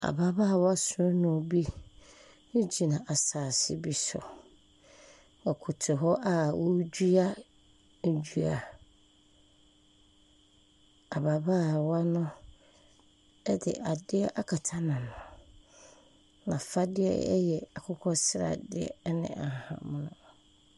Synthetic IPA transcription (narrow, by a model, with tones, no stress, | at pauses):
a̰˨baː˨ba˦˨wɔ˦a˦sʊ˦ɔ˦nʊ̃˨bi˦ | ʊ˦d͡ʑi˨nã˨ʔa˨saː˨sɪ˦bi˨sʊ̰˨ | a˨kʰu˨tʰʊ˨ɦɔ˦ʔa˨wʔo˦d͡ʑu˦a˦ | n̩˨d͡ʑu˨a˨ | a˨ba˨baː˦˨wa˦nʊ̃˦ | ɛ˦dɪ̰˨ʔa˨dɪ˦ɛ˦ʔa˦kʰa˨tʰa˦nã˨nʊ̃˨ | nã˨fa˦dɪ˦ɛ̰˦ɛ̰˦jɛ˨a˨kʰʊ˦kʰɔ˦sɪ˦ɾa̰˨dɪ̰˦ɛ̰˦nɪ̰̃˨ʔa˨hã̰˨m̃˦nʊ̰̃˨